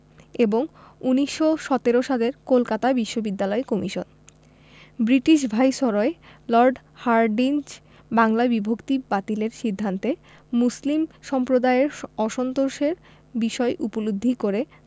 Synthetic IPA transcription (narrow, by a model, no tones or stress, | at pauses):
eboŋuniʃːoʃɔt̪eɾoʃaleɾkolkat̪abiʃːobid̪ːalɔekɔmiʃon | bɾiʈiʃ̬bʱajʃɔɾoelɔɾɖ | haɾɖind͡ʑ | baŋlabibʱokt̪ibat̪ileɾʃid̪ʱːant̪e | muslimʃɔmpɾod̪aeɾɔʃɔnt̪oɾʃeɾ | biʃɔeʔupolod̪ʱːikoɾe